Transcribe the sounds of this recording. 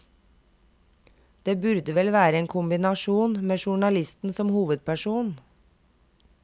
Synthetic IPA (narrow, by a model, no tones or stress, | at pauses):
d̪̥eːbʉɾd̪əʋɛlʋæːɾəeːŋkʰʊmbɪnɑʃuːnmeːʃʊɳɑlɪst̪n̩sɔmhuːʋəd̪̚pʰæʃuːn